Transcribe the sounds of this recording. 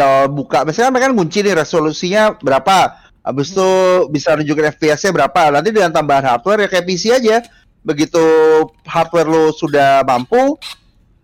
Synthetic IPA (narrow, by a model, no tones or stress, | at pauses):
abukamasakanmakanɡuɲt͡ʃinɪhɾesolusiɲabəɾapa | ʔa̰bɪst̪ubisanuɲd͡ʒukanɛfbiɛsɲabəɾapanant̪̬idəŋant̪ambaɦanɦart̪wɛrjakajap̬isiad͡ʒa | bəɡit̪u | hart̪̚wɛrlosudahmampu